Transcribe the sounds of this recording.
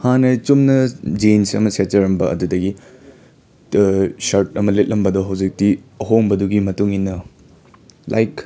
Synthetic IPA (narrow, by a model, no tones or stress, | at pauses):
hanɐt͡ʃumnɐd͡ʒensɐ̰mɐset͡ʃɐɾɐmbɐʔɐ̰dudɐɡi | sɐɾtɐmɐlet̚lʔɐmbɐdɔɦɐwd͡ʒik̚tiɐɦoŋbɐduɡimɐtuŋinːɐ | la̰jk